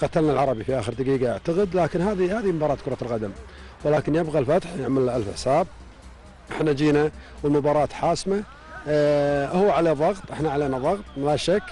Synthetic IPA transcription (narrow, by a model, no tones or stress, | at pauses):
qɑt̪alnalʕɑɾˤɑbifiʔaːxəɾd̪aqiːɡaʔaʕt̪aɣɪd̪laːkɪnhaːðihaːðimʊbɑːɾˤɑːt̪̚kʊɾˤɑlɣad̪am | wɪlaːkɪnjɪbɣalfat̪ħjɪʕmalːʔalfɪ̰ħsaːb̚ | ʔɪħnad͡ʒiːnawɪlmʊbɑːɾˤɑːt̪ħaːsma | hʊwːaʕaleːðˤɑɣt̪ˤʔɪħnaʕaleːnaðˤɑɣt̪ˤlaʃakː